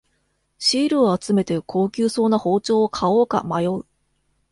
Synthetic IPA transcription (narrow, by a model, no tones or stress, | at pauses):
ɕiːɾɯ̟oat͡sɨme̞t̪e̞kʰo̞ːkʲɨːso̞ːnaho̞ːt͡ɕo̞ːokʰao̞ːka̰majo̞ɯ